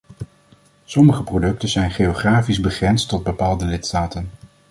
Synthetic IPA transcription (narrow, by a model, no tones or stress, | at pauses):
sɔməχəprodɵk̚tənzɛjnχejoχraːfizbəχrɛnstɔd̚bəpaːlˠdəlɪtstaːtən